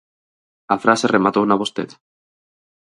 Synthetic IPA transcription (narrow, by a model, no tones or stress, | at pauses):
afɾaserʔemat̪ownaβost̪eða